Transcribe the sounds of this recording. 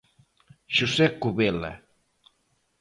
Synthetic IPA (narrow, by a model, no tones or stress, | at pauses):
ʃusɛkuβela̰